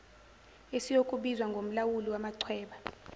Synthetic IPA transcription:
esijokʼuɓizwaŋɡʱom̩lawuliwamaǀʰwɛːɓa

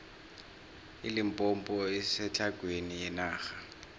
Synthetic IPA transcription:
ilimpʼɔmpʼɔɛsɛt͡ɬʰʼaɡ̥ʱwenijɛnaːxa

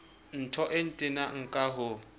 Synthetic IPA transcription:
n̩tʰɔʔɪn̩tʼɪnaŋ̩kʼaɦʊ

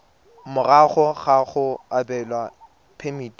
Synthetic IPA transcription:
mʊraχɔχaχʊabɛlwa | pʰemit

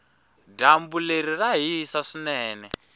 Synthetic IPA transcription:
dambuleɾiraɦisaʂinɛːnɛ

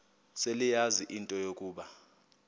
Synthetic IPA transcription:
selijaziʔintʼɔjokʼuːɓa

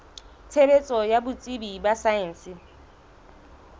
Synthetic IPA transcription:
t͡sʰebet͡sʼɔjabʊt͡sʼibibasaɛn̩sɪ

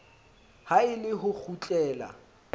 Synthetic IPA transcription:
haɪlɪɦʊk͡xʰut͡ɬʼɛːla̰

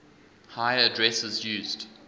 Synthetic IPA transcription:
haɪədɹɛsəzjʉːzd̥

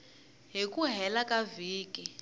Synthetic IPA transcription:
ɦikʼuɦɛlakʼaviːkʼi

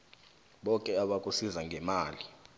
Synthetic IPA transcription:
ɓɔkʼɛaɓakʼusizaŋɡʱɛmaːli

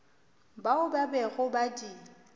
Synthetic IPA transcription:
baʊbabɛɣʊbadi

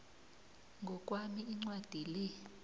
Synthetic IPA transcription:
ŋɡʱɔk̬ʼwamiːŋ͡ǀwad̥ʱilɛ

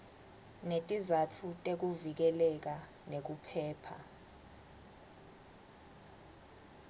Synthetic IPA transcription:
netʼizatʰutʼek̬uvik̬ɛlɛk̬a | nek̬upʰɛːpʰa̰

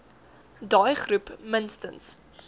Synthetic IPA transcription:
dɑːjχrupmənstə̰ns

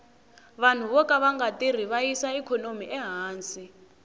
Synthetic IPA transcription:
βan̤uβɔkaβaŋɡatir̤iβaisaikʰɔnomiʔɛɦaːnsi

